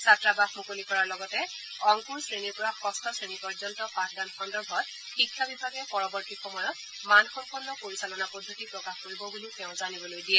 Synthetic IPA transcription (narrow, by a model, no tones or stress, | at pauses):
satɹabaxmukolikɔɹaɹlɔɡɔtɛ | ɔŋkuɹsɹeniɹpɔɹaxɔstʰɔsɹenikɔɹzɔntɔpãtʰɡanxɔndɔbʱɔt̚ | xikʰːabibʱaɡɛpɔɹɔbɔɹtixɔmɔjɔt | manxɔmpɔnːɔpoɹisalɔnapɔdʱːotipɹɔkaxkoɹibɔbuliʊtɛʊ̃zanibɔlojdijɛ